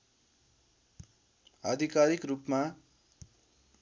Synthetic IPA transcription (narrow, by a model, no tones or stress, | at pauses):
ʌd̪ʱikaɾikrupma